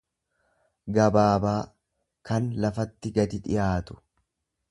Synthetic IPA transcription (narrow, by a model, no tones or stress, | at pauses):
ɡɐbaːbaː | kɐnlɐfɐt̪ːɪɡɐd̪ɪᶑ̪ɪ̰jaːt̪ʊ̥